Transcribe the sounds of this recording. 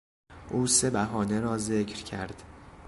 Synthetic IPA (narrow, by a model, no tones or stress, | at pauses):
ʔuːse̞bæɦɒːne̞ɾɒːze̞cʰɾcʰæɾd̪̥